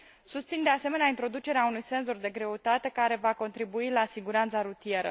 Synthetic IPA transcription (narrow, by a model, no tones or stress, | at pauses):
sust̪sind̪e̞ase̞meneaint̪ɾo̞d̪ut͡ʃe̞ɾeaunujse̞nzo̞rd̪e̞ɡɾe̞ut̪at̪e̞kaɾe̞vako̞nt̪ɾibuilasiɡuɾant̪saɾut̪ije̞ɾə̰